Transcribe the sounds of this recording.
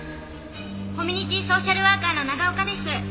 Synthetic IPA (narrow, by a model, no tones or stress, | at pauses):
ko̞mʲiɲ̟ʲit̪ʲiːso̞ːɕaɾɯ̟βaːkaːno̞naɡaokad̪e̞sɨ